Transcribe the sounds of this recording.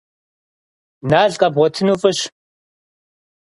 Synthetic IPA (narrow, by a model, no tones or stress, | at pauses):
naːɮqʼɐbʁʷɔtʰɨnuːfʼɨɕ